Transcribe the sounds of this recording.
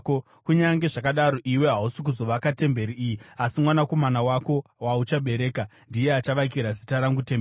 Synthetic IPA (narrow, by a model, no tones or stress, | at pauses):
kuɲaŋɡe̞ʐakaɗaɾo̞ʔiwe̞ɦausik̬uzo̞ʋakate̞mbe̞ɾiijiasimwanako̞manawako̞waut͡ʃaɓe̞ɾe̞ːka | ndije̞at͡ʃaʋakiɾazitaɾaŋɡuteme